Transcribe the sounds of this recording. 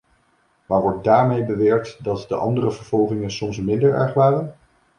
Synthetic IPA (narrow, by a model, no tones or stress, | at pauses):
maːɹʋɔɹt̚daːɹmejbəʋɛːɹk̚tdɑtdəʔɑndərəvəɹv̥ɔlˠχɪŋənsɔmsmɪndəɹɛ̰ɹχʋaːrən